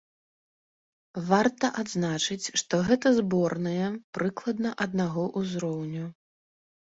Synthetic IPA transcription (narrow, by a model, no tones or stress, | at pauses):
vart̪ɐʔad̪znat͡ʂɨt͡sʲʂt̪ɔɣɛt̪ɐzbɔrnɨjɛpɾʔɨklˠɐd̪̚nɐʔɐd̪̚naɣɔʔuzɾɔwnʲu